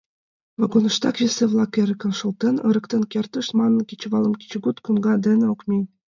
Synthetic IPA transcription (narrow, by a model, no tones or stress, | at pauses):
vɑɡonɤ̆ʃt̪ɑkβʲeseβlˠɑkeɾʲɘ̆kɘ̆nʃŏlˠt̪enɤ̰̆ɾɤ̆kt̪enkʲert̪ə̆ʃmɑnːɤkʲit͡ɕβɑlɤ̆mkʲi̥t͡ɕɡut̪kunɡɑd̪ɘ̆nĕokmʲenʲ